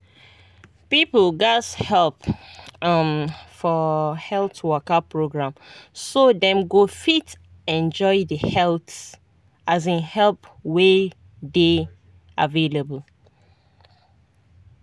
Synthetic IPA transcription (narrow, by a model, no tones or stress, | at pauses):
pipəl̩ɡashɛlˠp | amfɔhɛltwɔkapɹoɡɹãmsodɛ̃mɡofit | ɛ̃nd͡ʒɔɪdəhɛlθ | azĩnhɛlpwe | de | avelebəl